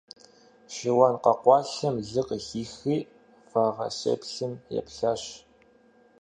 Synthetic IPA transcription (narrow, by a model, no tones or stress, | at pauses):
ɕɪwɑnqɐqʷɑːɬɐmɮɨqəxiːxiː | faːʁɐɕḛpɬɨmjɛ̰pɬaːɕ